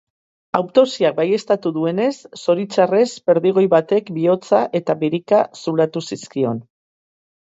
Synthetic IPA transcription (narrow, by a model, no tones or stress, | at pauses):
awt̪o̞siak̚baje̞st̪at̪uðue̞ne̞sːo̞ɾit͡ʃare̞zbe̞ɾðiɣ̞o̞jβat̪e̞kbio̞t͡saʔe̞t̪aβiɾikasulat̪usiskio̞n